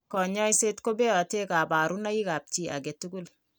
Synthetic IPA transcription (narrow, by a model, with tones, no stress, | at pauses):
kɔ˨ɲɔ˦jse˦tko˦bɛ˦ɔ˨te˦ka˨ba˨ɾu˦na˦i˦ka˨p̚t͡ʃi˦ʔa̰˨ɡɛ˨tuɡu˦l